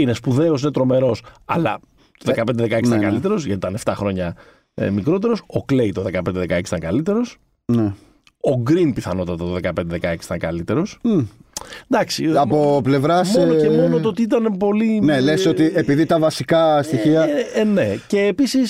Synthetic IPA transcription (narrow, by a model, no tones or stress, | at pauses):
ine̞spuðe̞o̞s̬inet̪ɾo̞me̞ɾo̞sɐ̰lɐ̰ | t̪oðekɐpe̞nd̪eðekɐesiit̪ɐŋkɐlit̪e̞ɾo̞sʝɐt̪it̪ɐne̞ft̪ɐxɾo̞ɲɐ̰ | mikɾo̞t̪e̞ɾo̞sokle̞jt̪o̞ðe̞kɐpe̞nd̪eðekɐeksi̥t̪ɐŋkɐlit̪e̞ɾo̞s | ne | oɡɾinpiθɐno̞t̪ɐt̪ɐt̪oðekɐpe̞nd̪e̞ðekɐeksi̥t̪ɐŋkɐlit̪e̞ɾo̞s | nd̪ɐksiɐpople̞vɾɐsmonocemo̞not̪oot̪iit̪ɐnepo̞linelesot̪iepiðit̪ɐvɐsikɐst̪içiɐne̞ce̞ːpisis